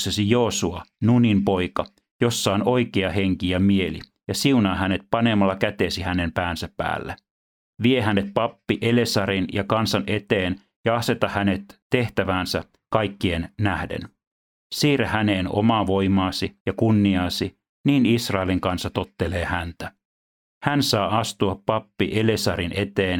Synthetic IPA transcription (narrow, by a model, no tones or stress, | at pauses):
sesijo̞ːsuɑnunimpo̞ikɑ | jo̞sːɑono̞ikeɑheŋkijɑmie̞lḭ | jɑsiunɑːhæne̞t̪̚pɑnemɑlːɑkæt̪eːsihænempæːnsæpæ̰ːlːḛ | ʋiehænet̪̚pɑpːiʔele̞sɑɾinjɑkɑnsɑnʔet̪eːn | jɑɑse̞t̪ɑhæne̞t̪ːe̞ht̪æʋæːnsæ | kɑjkːie̞nnæhdḛn | siːɾæhæne̞ːno̞̰mɑʋo̞jmɑːsijɑkunːiɑːsi | niːnisrɑeliŋkɑnsːɑt̪o̞t̪ːe̞le̞ːhænt̪æ | hænsɑːʔɑst̪uɑppɑpːiʔelesɑɾinʔe̞t̪eːn